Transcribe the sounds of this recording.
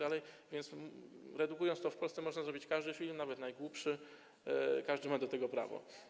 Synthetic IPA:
d̪alɛjvʲjɛnt̪sɾɛd̪ukujɔnt̪t̪ɔfpɔlsɛmɔʐnazɾɔbʲit͡ɕkaʐd̪ɘfʲilmnavɛt̪najɡwupʂɘ | kaʐd̪ɘmad̪ɔt̪ɛɡɔpɾa̰vɔ̰

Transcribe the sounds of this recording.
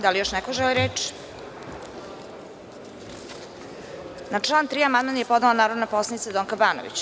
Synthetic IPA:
d̪alijoʃnɛkoʒɛliɾeːt͡ʃi̥ | nat͡ʂlˠaːnt̪ɾiːamand̪manjepod̪nelanaːɾod̪naposlˠanit̪sed̪oŋkabaːno̰ʋḭt͡ɕ

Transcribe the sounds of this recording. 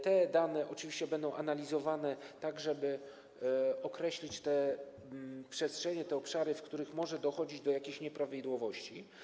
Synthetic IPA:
t̪ɛd̪anɛʔɔt͡ʂɘvʲiɕt͡ɕɛbɛnd̪ɔ̃w̃ʔanalʲizɔvanɛt̪aɡʐɛbɘ | ɔkɾɛɕlʲit͡ɕt̪ɛ | pʂɛstʂɛɲɛt̪ɛɔpʂaɾɘfkt̪uɾɘxmɔʐɛd̪ɔxɔd͡ʑid͡ʑd̪ɔjakʲeɕɲɛpɾavʲid̪wɔvɔɕt͡ɕi

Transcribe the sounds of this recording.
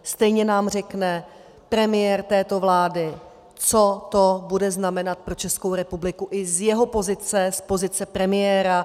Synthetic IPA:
st̪ɛjɲɛnaːmr̝ɛknɛ | pɾɛmɪjɛɾt̪ɛːt̪o̞vlaːdɪ | t͡so̞t̪obudɛznamɛnat̪̚pɾo̞t͡ʃɛskowɾɛpublɪkuʔɪzjɛɦo̞po̞zɪt͡sɛspo̞zɪt͡sɛpɾɛmɪjɛːɾa

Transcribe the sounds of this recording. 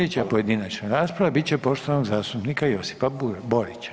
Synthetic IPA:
et͡ɕapo̞je̞d̪inat͡ʃnaɾaːspɾaʋabit̪̚t͡ɕepo̞ʃt̪oanoɡzaːst̪upnikajo̞si̥paboɾit͡ɕḁ

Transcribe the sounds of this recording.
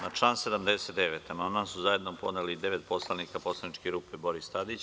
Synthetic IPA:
nat͡ʂlˠaːnse̞d̪amd̪eset̪d̪eʋet̪amandmansuzaje̞d̪nopo̞̰d̪nelid̪eʋet̪po̞slˠanikapo̞slˠanit͡ʃkeɾuːpebo̞ɾist̪ad̪it͡ɕ

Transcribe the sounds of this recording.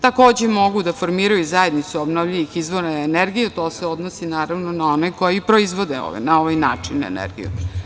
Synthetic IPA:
t̪ako̞ːd͡ʑemo̞ɡud̪afo̞ɾmiːɾajuzajed̪nit̪suobnovʎiʋixizʋoɾaeneɾɡijet̪o̞ːseo̞d̪nosinaːɾaʋnonao̞neko̞jipɾo̞izʋo̞d̪eo̰ʋḛnao̞ʋajnaːt͡ʂinːaḛnḛɾɡḭjṵ

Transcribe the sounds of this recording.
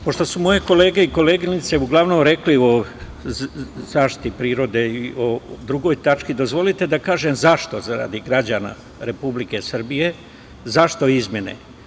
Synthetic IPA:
po̞ʃt̪o̞sumo̞je̞ko̞leːɡe̞iko̞leːɡinit̪se̞uɡlˠaʋnomɾe̞klio | zaːʃt̪i̥t̪ipɾiːɾo̞d̪e̞iiod̪ɾuɡo̞ːjt̪at͡ʃkid̪o̞zʋo̞lit̪e̞d̪akaːʒemzaʃt̪o̞zaɾa̰d̪iɡɾad͡ʑana̰ | ɾe̞publike̞sr̩bije̞ | zaʃt̪o̞izmʲjenḛ

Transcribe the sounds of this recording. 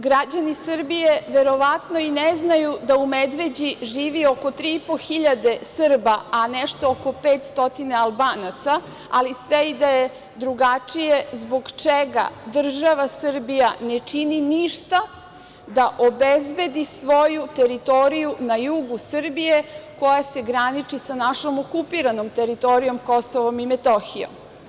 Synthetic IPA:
ɡɾad͡ʑanisr̩bije̞ʋe̞ɾo̞ʋat̪no̞ineznajud̪aumed̪ʋe̞d͡ʑiʒiːʋio̞kot̪ɾiipoxiʎad̪e̞sɨrbaanɛʃt̪ookopeːt̪st̪o̞t̪inaalˠbaːnat̪sa | alisʋeid̪aje | d̪ɾuɡat͡ʂije̞zbo̞ɡt͡ʃeɡa̰d̪r̩ʒaʋasr̩bijanet͡ʃininiʃt̪a | d̪aʔobezbe̞d̪isʋo̞jut̪e̞ɾit̪o̞ɾijunajuɡusr̩bijeko̞jase̞ɡɾanit͡ʃisanaʃo̞mokupiɾanomt̪e̞ɾit̪o̞ɾijo̞mkosoʋo̞mimet̪oxijo̞̰m

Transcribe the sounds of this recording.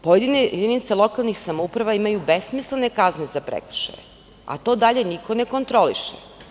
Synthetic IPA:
pojed̪ind̪init̪selˠo̞kalˠnixsamoupɾaʋaimajubesmislenekaznezapɾḛkr̩ʃa̰jḛ | a̰t̪o̞ːd̪aʎe̞niko̞ne̞ko̞nt̪ɾo̞lḭʃḛ

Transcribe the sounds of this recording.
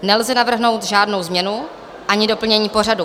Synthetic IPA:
nɛlzɛnavr̩ɦno̞wt̪ʒaːdno̞wzmɲɛnu | ʔaɲɪdo̞pl̩ɲɛɲiːpo̞radu

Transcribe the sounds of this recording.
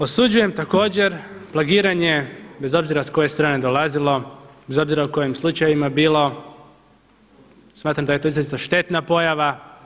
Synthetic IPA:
o̞sud͡ʑuje̞mt̪ako̞ːd͡ʑe̞ɾplˠaɡiːɾaɲe̞be̞zo̞bziɾasko̞je̞st̪ɾaːne̞d̪o̞lˠazilˠo̞be̞zo̞bziɾauko̞jimslˠut͡ʃajʋimabiːlˠo̞ | smaːt̪ɾamd̪aje̞t̪oizlazit̪aʃt̪e̞t̪napo̞jaʋa

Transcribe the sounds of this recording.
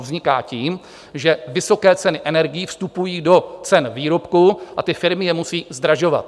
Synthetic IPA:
vzɲɪka̰ːciːm | ʒɛvɪso̞kɛːt͡sɛnɪʔɛnɛɾɡɪjifst̪upujiːdo̞t͡sɛnviːɾo̞pkuʔat̪ɪfɪɾmɪjɛmusiːzd̪ɾaʒo̞va̰t̪̚

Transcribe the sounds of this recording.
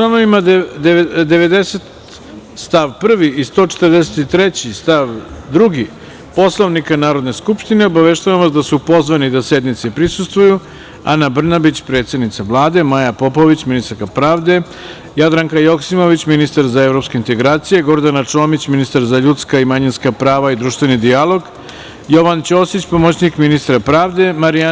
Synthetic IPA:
lanoʋimad̪d̪ed̪e̞ʋe̞d̪e̞set̪ | st̪aʋpr̩ʋiːst̪o̞ːt͡ʃet̪ərd̪eset̪it̪ɾet͡ɕist̪aʋd̪ɾuɡi | po̞slˠoʋnikanaːɾod̪ne̞skupʃt̪ine̞obaʋeʃt̪aʋamod̪asupo̞zʋanid̪ased̪nit̪sepɾisust̪ʋuju | a̰nabr̩nabit͡ɕpɾe̞ːt̪se̞d̪nit̪saʋlˠaːd̪e̞majapo̞po̞ʋit͡ɕminist̪aɾkapɾaːʋd̪e̞ | jad̪ɾaŋkajo̞ksimo̞ʋit͡ɕminist̪aɾzae̞vɾo̞pske̞int̪e̞ɡɾaːt̪sije̞ɡo̞ɾd̪anat͡ʂoːmit͡ɕminist̪aɾzaʎut̪skaimaɲinskapɾaːʋaid̪ɾuʃt̪ʋenid̪ialˠo̞ɡ | jo̞ʋant͡ɕosit͡ɕpo̞mot͡ɕnikminist̪ɾapɾaːʋd̪e̞maɾia

